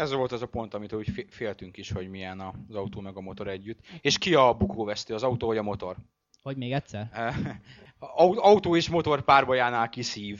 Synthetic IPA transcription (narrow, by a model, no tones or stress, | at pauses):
ɛzʋo̞lt̪ɒzɒpo̞nt̪ɒmit̪uːcffeːlt̪yŋkiʃho̞ɟmijɛnɒzɒut̪oːmɛɡɒmo̞t̪o̞ɾɛɟːyt̪ːeːʃkiɒbukʰoːvɛst̪øːɒzɒut̪oːvɒɟɒmo̞t̪o̞r | hoɟmeːɡɛtsɛr | uɒut̪oːeːʃmo̞t̪o̞rpaːrbɒjaːnaːlkisiːv